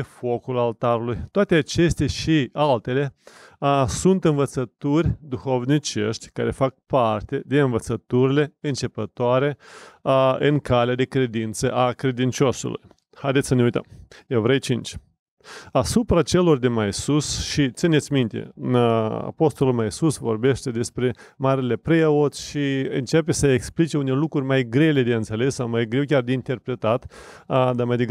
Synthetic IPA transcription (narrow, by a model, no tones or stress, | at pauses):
efo̞kulalt̪aɾulujt̪oat̪e̞at͡ʃe̞st̪aʃialt̪e̞le̞ | sunt̪ɨnvət̪sət̪urʲd̪uxo̞vnit͡ʃe̞̰ʃt̪ʲkaɾe̞fak̚part̪e̞d̪eɨnvət̪sət̪uɾile̞ɨnt͡ʃe̞pət̪oaɾe̞ | ɨŋkalead̪e̞kɾe̞d̪int̪səʔakɾe̞d̪int͡ʃo̞sṵlṵj | hajd̪et̪ssəneujt̪ə̰mjewvɾejt͡ʃint͡ʃʲ | asupɾat͡ʃe̞lo̞rd̪emajsusʃit̪sinet̪sʲmint̪ḛ | a̰po̞st̪olulmaisusvo̞̰rbe̞ʃt̪e̞d̪e̞spɾe̞ | maɾile̞pɾeot̪sʲʃiɨnt͡ʃe̞p̬e̞səeksplit͡ʃe̞unelukɾurʲmajɡɾe̞le̞d̪eɨnt̪sele̞sːawmajɡɾe̞wkʲard̪eint̪e̞rpɾe̞t̪at̪d̪amajd̪eɡ